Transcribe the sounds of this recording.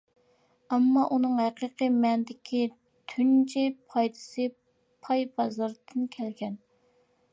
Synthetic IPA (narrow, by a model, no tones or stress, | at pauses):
ɑmːɑʔunɨŋhæqəqəmɛnd̪ɪkʲʰi | t̪ʰynt͡ʃʰipʰɑjt̪ʰɨ̥sɨ | pʰɑjbɑzɑɾd̪ʰɨnkʲʰɛlɡʲɛn